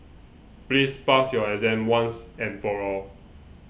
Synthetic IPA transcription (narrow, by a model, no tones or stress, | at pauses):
plispasjɔɹɛzɛ̃mwãnsɛ̃nfɔɹɔl